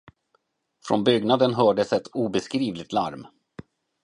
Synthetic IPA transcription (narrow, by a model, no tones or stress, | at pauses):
fɾɔ̰nbʏɡnad̪ənɦœːɖəsɛt̪ʰuːbɛskɾiːvlɪt̪la̰ɾm